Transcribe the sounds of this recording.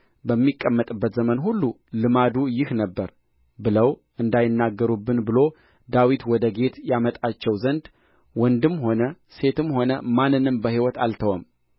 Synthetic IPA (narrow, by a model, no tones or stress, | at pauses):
bəmːikʼːəmːət̪ʼɨbːət̪zəmənɦulːu | lɨmad̪ujɪhnəbːəɾ | bɨləwʔɨnd̪ajɪnːaɡːəɾubːɨnbɨlo̞ | d̪awit̪wɔd̪əɡe̞t̪jamət̪ʼat͡ʃːɛwzənd̪ | wɔnd̪ɨmːho̞nə | se̞t̪ɨmho̞nəmanːɨnɨmbəhiwɔt̪ʰalt̪ʰəwəm